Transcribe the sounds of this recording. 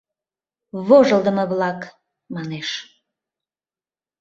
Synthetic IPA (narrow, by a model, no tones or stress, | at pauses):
βoʒəlˠd̪əməβlɑk | mɑneʃ